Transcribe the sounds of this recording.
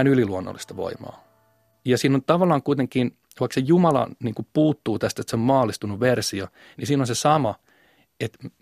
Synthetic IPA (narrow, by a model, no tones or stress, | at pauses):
nyliluonːo̰lːist̪ɑʋo̰imɑ̰ː | jɑsiːnont̪ɑʋɑlːˑɑːŋkuit̪eŋkiːn | ʋɑiksejumɑlɑ̰niːŋkupuːt̪ːuːt̪æst̪et̪seommɑːlːˑist̪unuʋersio | nisiːnonsesɑmɑ | et̪